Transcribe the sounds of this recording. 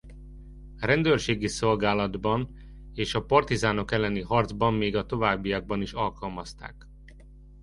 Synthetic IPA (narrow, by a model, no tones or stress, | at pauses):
rɛnd̪øːrʃeːɡiso̞lɡaːlɒd̪bɒn | eːʃɒpɒrt̪izaːno̞kɛlːɛniɦɒrd̪zbɒmːeːɡɒt̪o̞vaːbːijɒɡ̚bɒniʃɒlkɒlmɒst̪a̰ːk